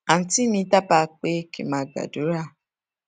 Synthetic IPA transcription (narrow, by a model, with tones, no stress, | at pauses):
a˨n̩˨˦ti˦mĩ˧˦ta˦pa˧k͡pe˦kḭ˨mãː˨˦ɡa̰˨du˨˦ɾa˦˨